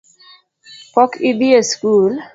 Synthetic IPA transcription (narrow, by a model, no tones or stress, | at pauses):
pɔkʰidiəskul